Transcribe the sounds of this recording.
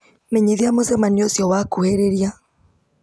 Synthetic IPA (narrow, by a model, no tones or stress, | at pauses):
meɲeðiamozɛmaniosjɔwakoheɾeɾia